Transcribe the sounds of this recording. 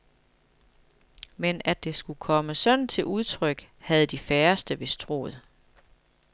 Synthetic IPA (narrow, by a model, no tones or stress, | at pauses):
menæd̥e̝sɡ̥ukʰɒ̽məsɒ̽nt͡sʰe̝lʔuð̞ˠt͡sʰʁœɡ̥hæð̞̩ˠd̥ifæːɐsd̥əʋe̝st͡sʰʁo̝̰ːð̞̩ˠ